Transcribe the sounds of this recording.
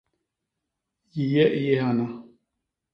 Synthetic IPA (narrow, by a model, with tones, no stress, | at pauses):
ji˨jɛ˦ʔjɛ˦ɦa˨na˦